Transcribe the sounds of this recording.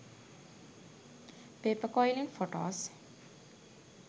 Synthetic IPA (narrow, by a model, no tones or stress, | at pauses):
peːpəkɔjliŋfoʈo̰ːs